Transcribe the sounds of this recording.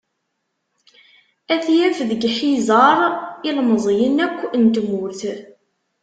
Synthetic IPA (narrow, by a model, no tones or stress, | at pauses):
æθjæfðəɡħizɑɾˤilməzˤjənækʷːənt̪mʊɾθ